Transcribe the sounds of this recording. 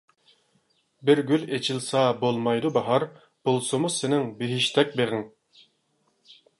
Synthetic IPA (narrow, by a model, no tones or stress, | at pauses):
bɪɾɡʲylet͡ʃʰilˠsɑbolˠmɑjd̪ubɑɦɑɾ | b̥olˠsumusenɪŋbeɦiʃt̪ʰɛk̚ʲbeʁɪŋ